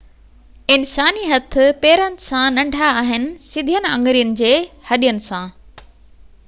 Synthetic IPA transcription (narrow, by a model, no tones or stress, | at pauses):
ɪnsaːniɦɐt̪ʰɪ̆peːɾənɪ̆sãnɐ̃ɳɖʱaːɦɪnɪ̆sɪd̪ʱijənɪ̆ɐ̃ŋɡɾijənɪ̆d͡ʑeːhɐɗijənɪ̆sãː